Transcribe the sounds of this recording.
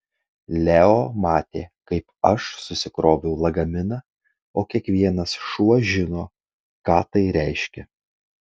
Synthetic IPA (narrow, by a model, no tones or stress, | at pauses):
lʲæoːmɑːt̪ʲeːkɐɪpɐʃsʊsʲɪkɾoːbʲɛʊlˠɐɡɐmʲɪnɐ | oːkʲiɛkʋʲiɛnɐsʃuɔʒʲɪnoː | kɑːt̪ɐɪɾʲæˑɪʃʲkʲɛ